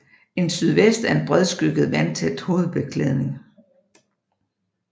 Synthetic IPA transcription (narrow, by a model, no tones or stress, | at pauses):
e̝nsyð̞ˠʋesd̥æɐe̝nb̥ʁɛð̞ˠsɡ̥yɡ̥ð̩ˠʋænt͡sʰed̥ho̝ːð̞̩ˠb̥e̝kʰleð̞ˠne̝ŋ